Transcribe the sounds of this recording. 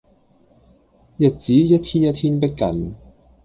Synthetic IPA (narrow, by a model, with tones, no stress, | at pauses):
jɐ˨t̚t͡siː˨˥jɐ˥t̚t̪ʰiː˥njɐ˥t̪ʰiː˥npɪ˥kːɐ̰˨n